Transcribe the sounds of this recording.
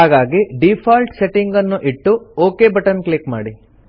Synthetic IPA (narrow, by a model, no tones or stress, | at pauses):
ɦaːɡaːɡiɖipʰaːlʈseʈiŋɡɐnːuʔiʈːuoːkeːbɐʈɐnklikma̰ːɽi